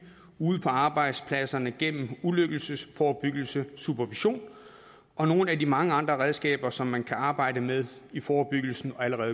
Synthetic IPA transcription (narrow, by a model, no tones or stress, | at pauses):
uːð̞̩ˠpʰɒ̽ɑ̈ːb̥ɑ̈ɪ̰d̥spʰlæsɐnəɡ̥en̰m̩uløɡ̥l̩səsfɒːb̥yɡ̥l̩səsupʰæɐʋiɕo̝̰ːn | ʔɒ̽no̝ːnəædimɑ̈ŋəɑ̈nd̥ʁɐʁɛð̞ˠsɡ̥ɛ̰ːb̥ɐsɒ̽mːænkʰæɑ̈ːb̥ɑ̈ɪ̰dəmeðˠ | ifɒːb̥yɡ̥l̩sn̩ɒ̽æləʁɛːðˠ